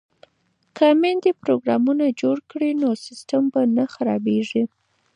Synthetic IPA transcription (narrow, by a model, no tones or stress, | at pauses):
kʰamend̪epɾoɡɾɑmunad͡ʒoɽkɽinosɪsʈambanaxaɾɑ̰beʐi